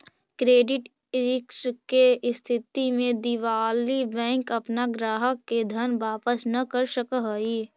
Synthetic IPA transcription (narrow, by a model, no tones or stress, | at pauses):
kɾeːɖɪʈ | ɪɾɪkskest̪ʰɪt̪imẽd̪ɪʋaːlibɛ̃ːŋkɐpnaɡɾaːɦəkːed̪ʱɐnʋaːpəsnɐkəɾʃəkəɦəi